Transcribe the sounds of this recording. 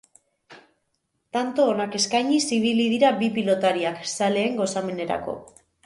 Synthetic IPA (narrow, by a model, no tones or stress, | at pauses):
t̪ant̪o̞ːnake̞skajɲisiβ̞ilið̞iɾabipilo̞t̪aɾiaksale̞ːŋɡo̞same̞ne̞ɾa̰ko̞̰